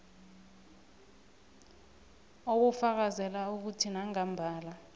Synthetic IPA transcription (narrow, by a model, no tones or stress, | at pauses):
okufak̬azɛlauk̬utʰinaŋam̩bʱaːla